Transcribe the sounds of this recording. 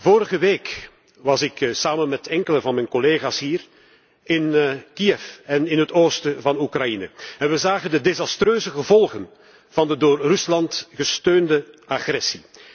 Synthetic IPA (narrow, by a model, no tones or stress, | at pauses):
voːɾəɣəʋeːk | ʋɑzɪksaːmənmɛtʰɛŋkələvɑnmɛjnkoleːɣaːsɦiːr | ɪnkiɛfɛnɪnɦətoːstəvɑnukrɑjinə̰ɛnʋəzaːɣəndədezɑstrøːzəɣəvɔlˠɣən | v̥ɑndədoːrrʏslɑntɣəstøːndəaxrɛsi